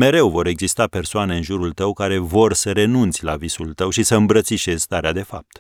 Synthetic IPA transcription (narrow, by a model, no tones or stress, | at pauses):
me̞ɾe̞wvo̞ɾe̞ɡzist̪ape̞rsoane̞ɨnʒuɾult̪əwkaɾe̞vo̞rsəɾe̞nunt̪sʲlavisult̪əwʃisəɨmbɾət̪siʃe̞z̥st̪aɾead̪e̞fa̰p̚t̪